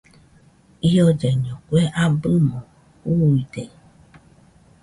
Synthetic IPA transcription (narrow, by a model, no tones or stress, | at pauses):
ijɔd͡ʒɛɲɔ̃kʷeʔabɨmɔ̃ | uide